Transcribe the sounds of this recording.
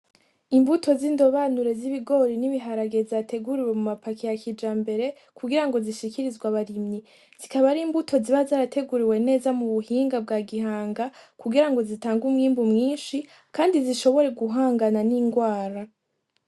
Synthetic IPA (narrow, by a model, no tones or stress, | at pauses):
imbutʰo̞ziːndo̞βanuɾe̞ziβiɡo̞ɾiniβiɦaɾaɡe̞zatʰe̞ɡuɾiwe̞mumapakʰijakʰid͡ʒaːmbe̞ɾe̞ | kʰuɡiɾaŋɡo̞ziʃikiɾizɡwaβaɾimɲi | z̥ikaβaɾiːmbutʰo̞ziβazaːɾatʰe̞ɡuɾiwe̞ne̞ːzamuβuhiːŋɡab̚ɡaːɡihaːŋɡakuɡiɾaŋɡo̞zitaːŋɡumŋiːmbumŋiːnʃi | kaːndiziʃo̞βo̞ɾe̞ɡuɦaːŋɡananiːŋɡwaːɾa